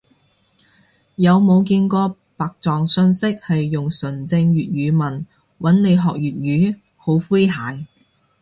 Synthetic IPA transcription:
jɐ˨˧wmo˨˧wk̬iː˧nkɔː˧ | paː˨k̚t͡sɔː˨ŋsɵ˧nsɪ˥k̚hɐ˨jːʊ˨ŋsɵ˨˩nt͡sɪ˧ŋjyː˨t̚jyː˨˧˥mɐ˨˩n | wɐ˨˥nne˨˧jɦɔː˨k̚jyː˨t̚jyː˨˥ | ho˨˥wfu˥jɦaː˨˥j

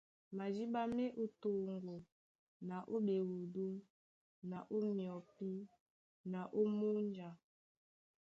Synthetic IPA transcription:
ma˨d͡ʒi˦ɓa˦me˦ʔu˦to˨ŋɡo˨ | na˨ʔo˦be˨wu˨du˦ | na˨ʔo˦mjɔ˨pi˦ | na˨ʔo˦mu˦n˦d͡ʒa˨

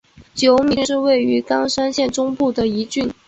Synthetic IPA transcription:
t͡ɕjo˧˥ʊmi˧˥nʂɻ̩˥˧we˥˩ɪy˧˥kɑ˥ŋʂa˥nɕjɛ˥˩nʈ͡ʂʊ˥ŋpu˥˩d̪ə˩i˧˥t͡ɕy˥˩n

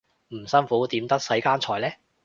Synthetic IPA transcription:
m̩˨˩sɐ˥nfuː˨˥t̪iː˨˥mt̪ɐ˥k̚sɐ˨˥jkaː˥nt͡ʃʰɔː˧jlɛː˥

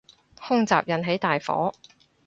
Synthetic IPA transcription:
hʊ˥ŋt͡sa̰ː˨p̚jɐ˨˧nɦe˨˥jt̪aː˨jfɔ̰ː˨˥

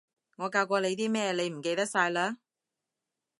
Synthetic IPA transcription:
ŋɔː˨˧kaː˧wkʷɔː˧le˨˧jt̪iː˥mɛː˥˧le˨˧jm̩˨˩ke˧jt̪ɐ˥k̚saː˧jlaː˥

